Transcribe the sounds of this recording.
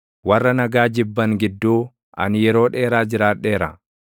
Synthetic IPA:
wɐrːɐnɐɡaːd͡ʒɪbːɐŋɡɪd̪ːuː | ʔɐ̰nɪjɛɾo̞ːᶑe̞ːɾaːd͡ʒɪɾaːᶑe̞ːɾɐ̰

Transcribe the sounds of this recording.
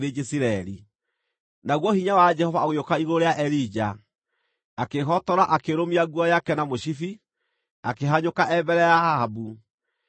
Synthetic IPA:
ɾed͡ʒesiɾaɛɾi | naɣwɔhiɲawad͡ʒɛhɔvaoɣeokaiɣoɾeaʔɛɾid͡ʒa | akeɦɔtɔɾaʔakeɾomiaɣwɔjakɛnamoɕifi | akeɦaɲokaʔɛbɛɾɛjaaabu

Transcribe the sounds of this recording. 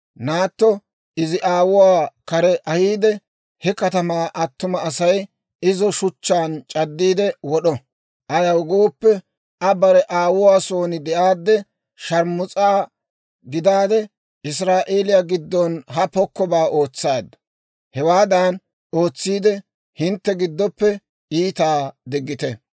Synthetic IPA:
naːt̪ːɔ | ɪzɪʔaːwʊwaːkɐɾɛʔɐhiːd̪ɛ | hɛkɐt̪ɐmaːʔɐt̪ːʊmɐːsɐj | ɪzɔʃʊt͡ʃːaːnt͡ʃʼɐd̪ːiːd̪ɛwɔɗɔ | ʔɐjɐwɡo̞ːpːɛ | ɐbɐɾɛʔaːwʊwaːso̞ːnɪd̪ɛʔaːd̪ːɛ | ʃɐɾmʊt͡sʼaː | ɡɪd̪aːd̪ɛ | ɪs̬ɾaːʔeːlɪjaɡɪd̪ːɔnɦɐpɔkːɔbaːʔo̞ːt͡sːaːd̪ːɐ | hɛwaːd̪aːn | o̞ːt͡sːiːd̪ɛ | hɪnt̪ːɛɡɪd̪ːɔpːɛ | iːt̪aːd̪ɪɡːɪt̪ɛ

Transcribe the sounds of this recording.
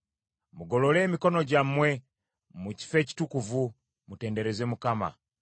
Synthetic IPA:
muɡo̞lo̞le̞ːmiko̞no̞ɟammːwe̞ | muci̥fe̞ːci̥tukuvu | mute̞ːnde̞ɾe̞zemukama̰

